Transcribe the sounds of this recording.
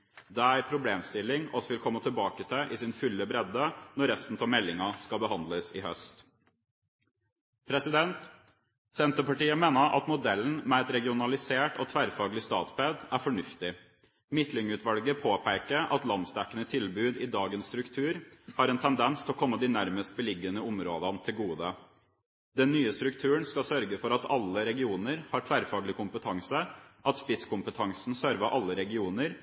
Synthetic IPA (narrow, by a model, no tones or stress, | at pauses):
d̪ɛæɾpʰɾʊbleːmst̪ɪlːɪŋɔsʋɪlkʰɔmːət̪ʰɪlbɑːkət̪ʰɪʔɪsɪnfʏlːəbɾɛd̪ənɔɾɛst̪n̩t̪ʰɔmɛlːɪŋɑskɑlbəhɑnd̪ləsɪhœst̪ | pʰɾɛsɪd̪ɛnt̪ | sɛnt̪əpɑʈiːəmeːnəɾʔɑ̰t̪mʊd̪ɛln̩mɛɛt̪ɾɛɡɪʊnɑlɪseːʈo̰ːt̪ʰʋæɾfɑːɡlɪst̪ɑ̰ːt̪pɛd̪æɾfɔɳʉft̪ɪ | mɪt̪lɪŋʉːt̪ʋɑlɡəpʰoːpʰæɪkəɾʔɑt̪lɑnst̪ɛkːənət̪ʰɪlbʉːd̪ɪd̪ɑːɡənst̪ɾʉkt̪ʰʉːɾhɑːɾɛnt̪ʰɛnd̪ɛnst̪ʰɛlɔkʰɔmːəd̪ɪnæɾməst̪̚bəlɪɡːənəʊmɾoːd̪ɑnt̪ʰɪlɡuːd̪ə | d̪ɛnːyːəst̪ɾʉkt̪ʰʉːəɳskɑsœɾɡəfɔɾɑt̪ʰɑ̰lːəɾɛɡɪuːnəɾhɑʈʰʋæːɾfɑːɡlɪkʰʊmpət̪ʰɑŋsəʔɑt̪spɪskʊmpət̪ʰɑŋsn̩søɾʋəʔɑlːəɾɛɡɪuːnəɾ